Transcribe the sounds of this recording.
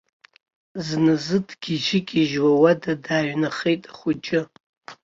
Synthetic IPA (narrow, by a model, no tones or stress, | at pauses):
znɨzɨdʰɡ̥ʲiʒɪkʲʼiʒwawadadaːɥnaχejtʼḁχʷʊd͡ʒʼɪ